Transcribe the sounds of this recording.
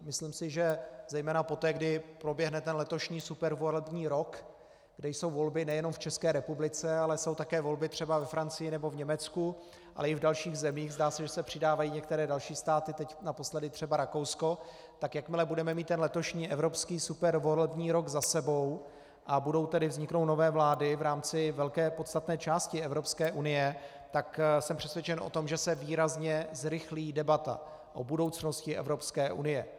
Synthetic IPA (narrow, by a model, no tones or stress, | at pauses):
mɪslimsɪʒɛzɛjmɛːnapo̞t̪ɛːɡdɪpɾo̞bjɛɦnɛt̪ɛnlɛt̪o̞ʃɲiːsupɛɾvolɛbɲiːɾo̞k | ɡdɛjso̞wvo̞lbɪnɛjɛno̞mft͡ʃɛskɛːɾɛpublɪt͡sɛalɛso̞wt̪akɛːvo̞lbɪt̪r̝̥ɛbavɛfɾant͡sɪjɪnɛbo̞vɲɛmɛt͡sku | ʔa̰lɛɪvdalʃiːɣzɛmiːɣzdaːsɛʒɛsɛpr̝̥ɪdaːvajiːɲɛk̚t̪ɛɾɛːdalʃiːst̪aːt̪ɪt̪ɛcnapo̞slɛdɪt̪r̝̥ɛbaɾako̞wsko̞ | t̪akjakmɪlɛbudɛmɛmiːt̪ːɛnlɛt̪o̞ʃɲiːʔɛvɾo̞pskiːsupɛɾvolɛbɲiːɾoɡzasɛbo̞w | ʔabudo̞wt̪ɛdɪvzɲɪkno̞wno̞vɛːvlaːdɪvɾaːmt͡sɪvɛlkɛːpot̪st̪at̪nɛːt͡ʃaːscɪɛvɾo̞pskɛːʔunɪjɛ | t̪aksɛmpr̝̥ɛsvjɛt͡ʃɛnʔo̞̰t̪o̞mʒɛsɛviːɾazɲɛzɾɪxliːdɛbat̪a̰ | ʔobudo̞wt͡sno̞scɪʔɛ̰vɾopskɛːʔṵnɪjɛ